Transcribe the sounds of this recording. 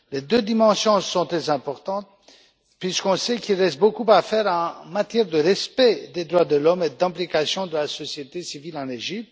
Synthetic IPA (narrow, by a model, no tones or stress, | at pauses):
led̪ød̪imɑ̃sjɔ̃sɔ̃t̪χɛzɛ̃pɔʁt̪ɑ̃t̪̚ | pɥiskɔ̃sɛkilʁɛst̪̚bokupafɛʁɑ̃mat̪jɛʁd̪əʁɛspɛd̪ed̪ʁwad̪əlɔmed̪ɛ̃plikasjɔ̃d̪əlasɔsjet̪esivilɑ̃neʒip̚t̪